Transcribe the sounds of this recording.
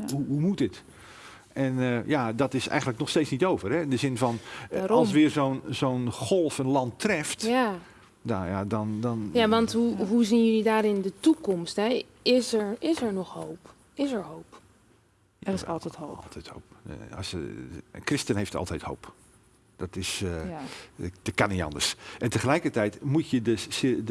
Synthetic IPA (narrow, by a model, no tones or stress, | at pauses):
ɦuɦumutət | ʔɛnjadɔtɪsɛ̰jɣəntləknɔχxsteːt͡ssnitowvərɦɛɪndəzɪnfɔnɑlˠsʋɪːrzownzownχɔlˠfənlɑntrɛfta | daja̰dɔndɔnjaʋɑntɦuɦuzinjɵlidaːɾɪndətukɔmstɦɛ | ɪsɛɹɪsɛɹnɔχhowp | ɪsəɹɦowp | sɑlˠtɛtholˠtɛtho̰wpsə̰ə̰krɪstənhejftɑ̰lˠtɛjtho̰wp | d̥ɔtɪs | dəkaniɑ̰ndərsʔɛntəχəlɛjkərtɛjtmutjədəs